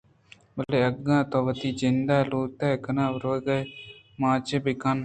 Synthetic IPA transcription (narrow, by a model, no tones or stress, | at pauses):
bəleːəɡːãːt̪õːʋət̪iːd͡ʒɪnd̪aːloːt̪ɛːkənãːʋɾoːɡə | mãːt͡ʃebɪkən